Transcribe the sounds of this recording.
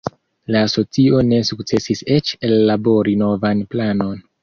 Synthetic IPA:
laːso̞t͡sio̞ne̞suk̚t͡se̞sise̞t͡ʃelːabo̞ɾino̞vanplano̞n

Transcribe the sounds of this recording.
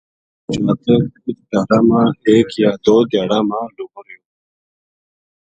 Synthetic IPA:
t͡ʃaːt̪əkit̪d̪aːɽãːmãːeːkjaːd̪oːd̪jaːɽãːmãːlukɾju

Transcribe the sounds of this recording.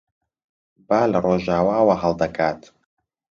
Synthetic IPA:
baːlɐroːʒaːwaːwaɦɐlˠd̪ɐkʰaːt̪

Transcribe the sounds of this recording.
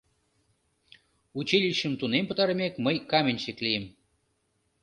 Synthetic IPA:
ut͡ɕilʲiɕə̆mt̪unempə̆t̪ɑɾəmʲekməjkɑmʲenʲt͡ɕeklʲijem

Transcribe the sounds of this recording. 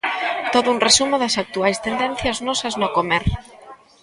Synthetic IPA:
t̪oðʊunresumoðɐsak̚t̪uajst̪end̪ɛ̃n̟θjɐznɔsɐznokomeɾ

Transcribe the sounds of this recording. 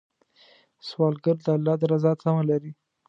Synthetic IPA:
swɑlɡəɾd̪əalːɑd̪əɾazɑsamalaɾi

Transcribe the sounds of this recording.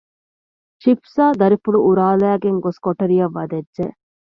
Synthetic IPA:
ʃipsaːd̪ɐɾifuɭuʔuɾaːlæːɡeŋɡoskoʈɐɾijɐʋːɐd̪ɐdʒe

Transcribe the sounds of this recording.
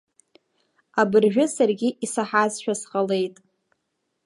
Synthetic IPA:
abɨrʒᶣʊsarɡʲɪʔisaħazʃᶣasqʼale̞jtʼ

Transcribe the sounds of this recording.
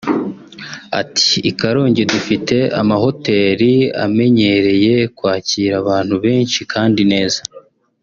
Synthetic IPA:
a̰ti̥ːkaɾo̞ːɲɟe̞dufite̞a̰maho̞te̞ːɾia̰me̞ɲe̞ɾe̞je̞kwaːciːɾaβaːn̥huβe̞ːnʃikʰaːndine̞ːza

